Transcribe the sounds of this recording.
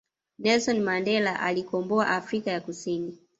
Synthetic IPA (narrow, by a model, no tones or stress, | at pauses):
nɛlsɔnmandɛlaʔalikɔmbɔaʔafɾikajakusini